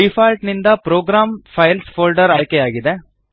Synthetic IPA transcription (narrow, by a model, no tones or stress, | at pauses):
ifaːlʈnind̪ɐpɾoːɡɾaːmpʰɐjlspʰoːlɖɐɾaːjkejaːɡid̪e̞